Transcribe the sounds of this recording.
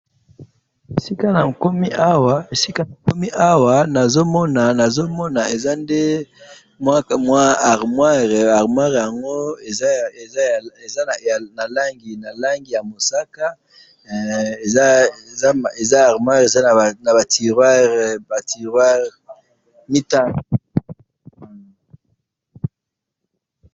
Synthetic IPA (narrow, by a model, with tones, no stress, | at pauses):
e˨si˦ka˦na˨ko˦mi˦ʔa˦wa˦e˨si˦ka˦na˨ko˦mi˦ʔa˦wa˨na˨zo˦mɔ˦na˨na˨zo˦mɔ˦na˨e˨za˦nde˦ | mwa˦mwa˦a˨ʁmwa˦ʁa˨ʁmwa˦ʁja˨ŋɡo˦e˨˦˨ | e˨za˦n˨na˨la˦ŋɡi˨na˨la˦ŋɡi˨ja˨mo˨sa˦ka˦ | e˨za˦˨za˦e˨za˦a˨ʁmwa˦ʁe˨za˦˨na˨ba˨ti˨ʁwa˦ʁba˨ti˨ʁwa˦ʁ | mi˦ta˦˨n˨